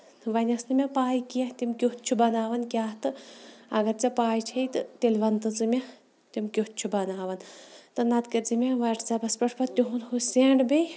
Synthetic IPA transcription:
ʋɐnʲɐsnɨmʲɐpaːjkijɐt̪ʲimkʲoht̪̚t͡ʃʰubɐnaːʋɐnkʲaːt̪ɨɐɡɐɾt͡sɐpaːjt͡ʃʰɐjt̪ɨt̪elʲʋɐnt̪ɨt͡sɨmʲɐ | t̪imkʲoht̪̚t͡ʃʰubɐnaːʋɐnt̪ɨnɐt̪kɐɾt͡simʲeʋɐʈʰt͡sɐbɐspɐʈʰpɐt̪ʲuɦunhuseːɳɖbʲe

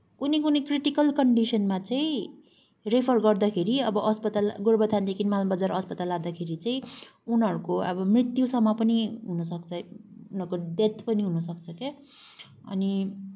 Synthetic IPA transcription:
kunekunekriʈikʌlkʌɳɖisʌnmat͡saĩ | repʰʌrɡʌrd̪akʰeɾiʌbʌɦʌspʌt̪alɡoɾbʌd̪ʱant̪ekʰinmalbʌd͡zaɾʌspʌt̪alad̪akʰeɾit͡saĩunɦʌɾukoʌ̰bʌmrit̪jusʌmːʌpʌniɦunʌsʌkt͡sʰʌunɦʌɾkod̪et̪ʰpʌniɦunʌsʌkt͡sʰʌke | ʌ̰ni

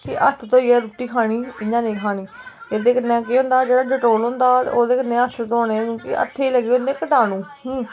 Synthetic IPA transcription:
kɪʔət̪ʰt̪oːiːɛːɾuːʈiːkʰaːɽ̃iːɪɲãːnẽːkʰaːɽiːjed̪eːkənɛ̃ːkeːɦʊ̃nd̪aːd͡ʒeːɽaːɖɪʈoːlɦʊ̃nd̪aːt̪ːoːd̪eːkənẽːət̪ʰt̪oːnẽːkõːkɪʔə̰t̪ʰːeːiləɡiːɦõnd̪eːkəʈaːnũː

